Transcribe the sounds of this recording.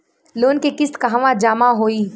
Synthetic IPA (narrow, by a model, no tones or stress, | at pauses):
loːnkekɪskaɦaʋãd͡ʒaːmaɦoːiː